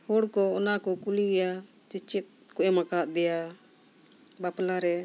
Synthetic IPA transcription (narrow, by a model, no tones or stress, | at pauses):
hɔɽkɔɔnakɔkuliɡɛja | t͡ʃit͡ʃit̪̚kɔʔɛmakat̪̚d̪ɛja | baplaɾɛ